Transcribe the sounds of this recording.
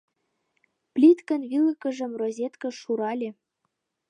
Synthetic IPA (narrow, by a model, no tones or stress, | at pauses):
plʲit̪kə̆nβilə̆kɤ̆ʒɤ̆mrozʲet̪kɤ̆ʃuɾɑlʲĕ